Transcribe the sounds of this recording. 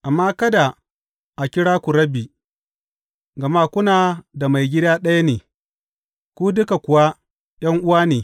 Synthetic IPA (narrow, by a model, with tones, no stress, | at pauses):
ʔa˨mːaː˦kɐ˦da˨ | ʔa˨kʲɪ˦ɽaː˦kʷu˨ɾɐ˦biː˨ | ɡɐ˨ma˦kʷʊ˦naː˨da˨ma˨jɡʲɪ˦daː˦ɗɐ˦ja˦neː˨ | kʷu˦dʊ˦ka˨kʷʊ˨wa˦ | j̰ɐ˦ŋʔʊ˦waː˦neː˨